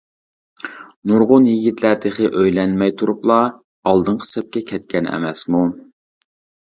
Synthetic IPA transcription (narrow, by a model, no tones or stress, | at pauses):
nuɾʁʊnjiɡʲit̪læt̪ʰɪχɪʔøjlɛnmɛjt̪ʰuɾuplˠɑ | ɑlˠd̪ɨɴqʰə̥sɛp̚kʲɛkʲʰɛt̪̚kʲɛnɛ̰mɛsmu